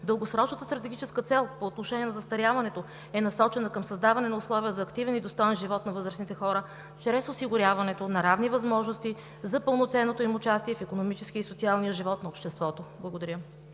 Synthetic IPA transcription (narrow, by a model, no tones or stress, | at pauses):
d̪əlˠɡosɾɔt͡ʃnət̪əst̪ɾɐt̪ɛɡit͡ʃɛskət̪sɛlˠpoːt̪noʃɛniɛnzɐst̪ɐɾjavɐnɛt̪o | ɛnɐsɔt͡ʃɛnəkəmsɐzd̪avɐnɛnɐʊslˠɔviəzɐːkt̪ivɛnid̪ost̪ɔjɛnʒivɔt̪nɐvɤzɾəsnit̪ɛxɔɾə | t͡ʃɾɛsosiɡʊɾʲjavɐnɛt̪onɐɾavnivɐzmɔʒnost̪i | zɐpɤlˠnot̪sɛnːot̪oimʊt͡ʃast̪iɛfikonomit͡ʃɛskiəisot̪sialˠnijəʒivɔt̪nɐopʃt̪ɛst̪vɔt̪oblˠɐɡod̪ɐɾʲjə